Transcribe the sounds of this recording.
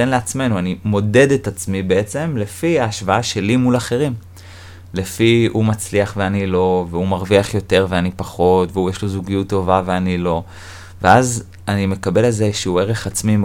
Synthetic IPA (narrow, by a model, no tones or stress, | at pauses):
tenleat͡sme̞nuanimo̞de̞detat͡smibeet͡se̞mle̞fiaːʃvaaʃe̞limulaχe̞ʁim | lefiumat͡sliaχveanilo̞veumaʁviaχjo̞te̞ʁveanipaχo̞tveujeʃlozuɡijutːo̞vaveanilo̞ | veaz | anime̞kabe̞lalzeʃeue̞ʁeχat͡smi